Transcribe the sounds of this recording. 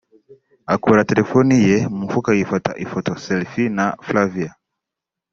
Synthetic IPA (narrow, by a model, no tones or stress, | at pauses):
akuɾatɛlɛfɔnijɛmufukaifɔta̰ʔifɔtɔsɛlfinaflavia